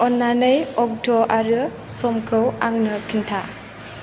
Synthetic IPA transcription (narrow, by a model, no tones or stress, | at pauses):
ɔnːanɯjɔk̚dɔʔaɾɯsɔmkʰɯwaŋnɯkʰintʰa